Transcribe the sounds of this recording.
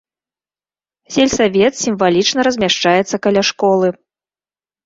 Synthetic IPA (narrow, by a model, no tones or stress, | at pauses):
sʲɛlʲsavʲɛt̪sʲimvalʲit͡ʂnɐɾɐzʲmʲaʂt͡ʂajɛt̪sːɐkalʲaʂkɔlˠɨ